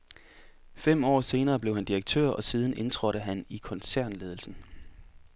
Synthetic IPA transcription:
fem̰ɒ̰ːse̝ːnɐːb̥le̝ʊhænd̥iʁɐɡ̥̚t͡sʰø̰ɐ̰ɒ̽siːð̞ˠən̩ʔe̝nt͡sʰʁɒɾəɦænikʰɒ̽nsæɐ̰nle̝ːðˠl̩sn̩

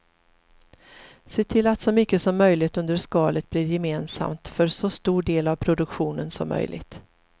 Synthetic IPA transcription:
seːt̪ʰɪlːat̪sɔmʏkːəsɔmːœjlɪɡt̪ɵnd̪əɾʂkɑːlət̪̚bliːɾjɛmeːnsa̰mt̪fœɾsɔst̪uːɖeːlavpʰɾʊd̪ɵkɧuːnənsɔ̰mːœ̰jlʔɪ̰ɡt̪

